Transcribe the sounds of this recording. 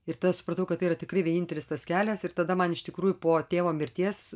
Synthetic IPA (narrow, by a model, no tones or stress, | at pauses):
ɪɾt̪ɐd̪ɐsʊ̥pɾɐt̪ɐʊkɐt̪ɐɪiːɾɐt̪ʲɪkɾɐɪʋʲiɛniːnʲt̪ʲɛlʲɪst̪ɐskʲæːlʲɛsɪɾt̪ɐd̪ɐmɐnɪʃt̪ʲɪkɾuːjʊpoːt̪ʲeːʋoːmʲɪɾʲt̪ʲiɛs